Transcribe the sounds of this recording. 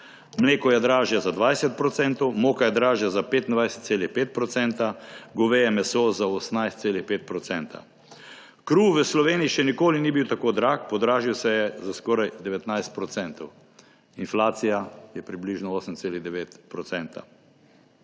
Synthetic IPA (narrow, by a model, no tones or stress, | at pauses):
mleːkɔjɛd̪ɾaːʒjazad̪ʋajsɛt̪̚pɾɔt̪sɛnt̪ɔwmoːkajɛd̪ɾaːʒjazapeːt̪ind̪ʋajsɛ̥t̪̚seːlixpeːt̪̚pɾɔt̪sɛnt̪aɡɔʋejɛmɛsozaɔsnajst̪seːlixpeːt̪̚pɾɔt̪sɛnt̪ʰa̰ | kɾuʋəslɔʋeːniiʃɛnikoːlinibiwt̪akoːd̪ɾak̚pɔd̪ɾaːʒiwsɛjɛzaskɔːɾajd̪ɛʋɛt̪najst̪̚pɾɔt̪sɛnt̪ɔw | inflaːt̪sijajɛpɾibliʒnɔɔːsəmt̪seːliɣd̪ɛʋeːt̪pɾɔt̪sɛnt̪a̰